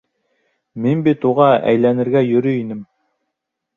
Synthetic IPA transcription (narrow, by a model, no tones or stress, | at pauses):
minbit̪uʁɑæ̰jlænɘ̆ɾɡæjɵ̆ɾɵinɘm